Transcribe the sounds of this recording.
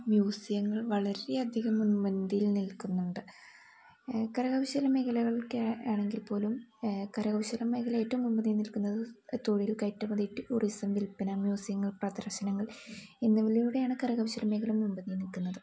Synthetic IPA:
mjuːsijɐŋːɐɭʋɐɭɐɾe̞ɐd̪ʱiɣɐmːunbɐnd̪ijilnilkunːuɳɖɨ | kɐɾɐɣɐʋɕɐlɐme̞kʰɐlɐɣɐɭkaːɳe̞ŋɡilpo̞ːlumkɐɾɐɣɐʋɕɐlɐmːekʰɐlɐeːtːɐumːumbɐnːijnilkunːɐðɨt̪oɻijilkɐjtːɐmɐðiʈːiʔurisɐmd̪ilpːɐnɐmjuːsijɐŋːɐɭprɐd̪ɐrɕɐnɐŋːɐɭinːuʋɐlijuːɽe̞jaːɳɨkɐɾɐɣɐʋɐɕɐlɐmekʰɐlɐmːumbɐnːijnilkunːɐðɨ

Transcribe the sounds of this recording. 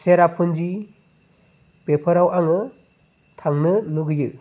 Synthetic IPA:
seɾapʰɯnd͡ʒi | pepʰɯɾawʔaŋɯ | tʰaŋnɯnuɡɯjɯ

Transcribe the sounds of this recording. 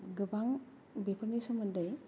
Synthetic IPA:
ɡɯbaŋ | bepʰɯɾnisɔmɐndaj

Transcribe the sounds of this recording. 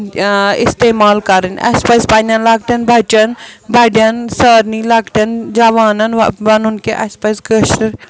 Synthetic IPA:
ɪ̰st̪eːmaːlkɐɾɐnɐ̰spɐzpɐnɐnlɐɡʈ̪ɐnbʱɐt͡ʃɐnbʱɐɖjɐnsəːɾnilɐkʈɐnd͡ʒaʋaːnɐnʋɐnunkeʔɐspɐzɡəʃɾiɾ

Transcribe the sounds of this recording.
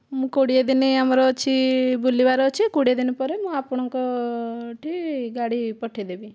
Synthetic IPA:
mũkoɽied̪ineamɔɾɔt͡ʃʰibulibaɾɔt͡ʃʰikoɽijad̪inipɔɾemũapɔɽ̃ɔŋkɔ | ʈʰiɡaɽipɔʈʰid̪ebi

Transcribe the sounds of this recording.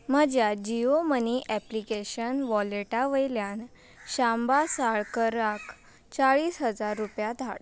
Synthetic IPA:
məd͡ʑjad͡ʑioməniʔɛplikeɕənʋɔleʈaʋəjljãn | ɕambasaɭkəɾak | t͡saɭiːsɦəd͡zaɾːupjad̪ʱaɭ

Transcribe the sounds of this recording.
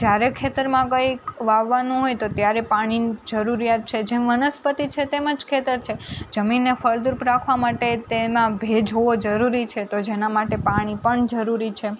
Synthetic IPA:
d͡ʒjaɾekʰet̪əɾmãkəjkʋaʋːanũɦojt̪ot̪jaɾepaɽ̃id͡ʒəɾuɾijat̪̚t͡ʃʰed͡ʒemʋənəspət̪it͡ʃʰet̪eməd͡ʒkʰet̪əɾt͡ʃʰed͡ʒəminːefəɭd̪uɾpɾakʰʋamaʈet̪emãbʱed͡ʒɦoʋod͡ʒəɾuɾit͡ʃʰet̪od͡ʒenamaʈepaɽ̃ipəɳd͡ʒəɾuɾit͡ʃʰe

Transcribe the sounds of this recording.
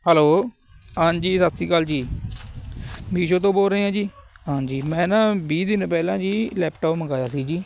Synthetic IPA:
hɛːloː | ãːnd͡ʒiːsat̪siːkald͡ʒiː | miːʃ̬õːt̪̬õːboːlɾəiːãːd͡ʒiːãːd͡ʒiːmɛ̃ːnãːbiːd̪ɪnpɛːlãːd͡ʒiːlɛːpʈoːpməɡaːjaːsiːd͡ʒiː

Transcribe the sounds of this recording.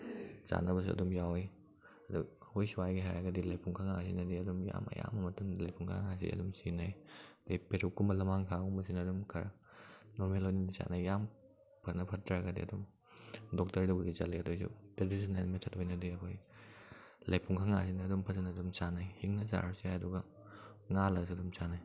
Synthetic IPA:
sa̰nɐbɐs̬uɐ̰dumjawej | ɐduhojsuwajɡiɦajɾaɡɐdilɐjpuŋkʰaŋasinɐdiɐdumja̰mɐ̰ja̰mɐmɐtumlɐjpʰuŋkʰa̰ŋŋas̬ḭɐ̰dumsinajtojpeɾʰukumbɐlɐmaŋkʰaumɐsinɐːdumkʰɐɾ | nɔɾmelojninisa̰najjam | pʰɐɾnɐpʰɐtːɾaaɡɐdḭɐ̰dum | dɔk̚tɐɾdɐbudizaleɐdojsṵtɾedisinelmetʰɐtʰojnɐdiɐkʰoj | lɐjpʰuŋkʰaŋa̰sinɐɐdumpʰɐzɐnɐdumsanajhiŋnɐza̰ɾsiajɐduɡɐ | ŋalɐsɐdumsanaj

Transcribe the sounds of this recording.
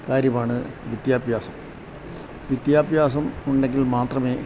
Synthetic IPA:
kaːɾjɐmaːɳɨʋid̪jaːbʱjaːsɐm | ʋid̪jaːbʱjaːsɐmuɳɖe̞ŋɡilmaːt̪rɐme̞ː

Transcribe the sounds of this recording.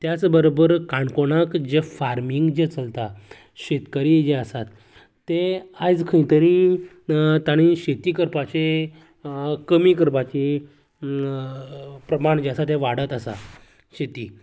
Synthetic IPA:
t̪jat͡sbəɾobəɾkãɳkoɽ̃ãkd͡ʑefaɾmiŋɡd͡ʑet͡səlt̪a | ɕet̪kəɾid͡ʑeəsat̪ː | eajd͡zkʰəĩt̪əɾĩ | t̪aɽ̃iɕet̪iːkəɾpat͡ɕe | kəmikəɾpat͡ɕe | pɾəmaɳd͡ʑeəsat̪ẽʋaɽət̪asa̰ | ɕet̪iː

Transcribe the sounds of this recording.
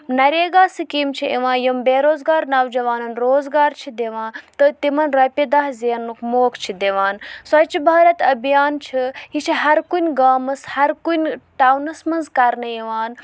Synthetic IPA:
nɐɾeːɡaːsɨkiːmt͡ʃʰiʔiʋãːjimbeːɾoːzɡaːɾnɐʋd͡ʒɐʋaːnɐnɾoːzɡaːɾt͡ʃʰid̪eʋãːt̪ɨt̪imɐnɾɐpʲid̪ɐɦziɐnːukmoːkʰt͡ʃʰid̪eʋaːnsɐt͡ʃʰibʱaːɾɐt̪ɐbijaːnt͡ʃʰiɦit͡ʃʰiɦɐɾkunʲɡaːmɐshɐɾkunʲʈaːwnɐsmɐnzkɐɾnɐjiʋaːn

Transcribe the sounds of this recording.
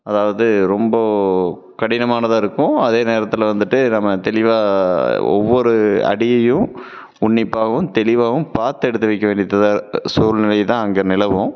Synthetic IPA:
ɐðaːʋɐðɯɾɔmbɐ | kɐɽɪnɐmaːnɐðaːɪɾɯkːʊ̃ɐðeːneːɾɐt̪ːɪlʋɐnd̪ɯʈːɯnɐmːɐt̪ɛlɪʋaːɔ̰ʋːɔɾɯɐ̰ɽɪjɐjɯ̃ | ʊɳːɪpːaːɣɐʋɯmt̪ɛlɪʋaːʋɯ̃mpaːɾt̪ɛɽɯt̪ːɐʋɐɪkːɐʋeːɳɖɪjðɐðaːsuːlnɪlɐjt̪ãːɐŋɡɐnɪlɐʋʊ̃

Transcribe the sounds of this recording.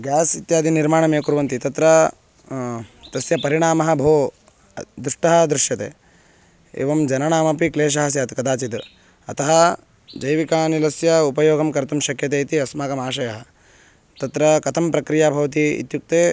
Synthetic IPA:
ɡjaːsit̪jaːd̪ʱiniɾmaːɳɐmeːkuɾʋɐnt̪it̪ɐt̪ɾɐ | t̪ɐsjɐpɐɾiɳaːmɐɦɐ̆bʱoː | d̪ɾuʂʈɐɦɐd̪ɾuʃjɐt̪ḛː | ḛːʋɐmd͡ʒɐnɐɳaːmɐpikleːʃ̬ɐɦɐsjɐːt̪kɐd̪aːt͡ʃit̪ | ɐ̰t̪ɐɦɐ | d͡ʒɐjʋikaːnilɐsjɐupɐjoːɡʱɐmkɐɾt̪umʃɐkjɐt̪eːit̪iɐsmaːkɐmaːʃɐjɐɦɐ̆ | t̪ɐt̪ɾɐkɐt̪ʰɐmpɾɐkɾijaːbʱɐʋɐt̪̬iḭt̪juk̚t̪eː

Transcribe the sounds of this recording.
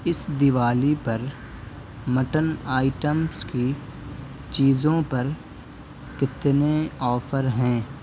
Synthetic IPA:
ɪsd̪ɪʋaːlipɐɾ | məʈənaːɪʈəmski | t͡ʃiːzõpɐɾ | kɪt̪neɔːfʰəɾɦɛ̃ː

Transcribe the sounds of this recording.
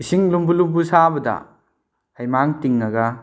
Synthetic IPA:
isiŋlumbulumbusabɐdɐ̰ | hajmaŋtiŋnɐɡɐ

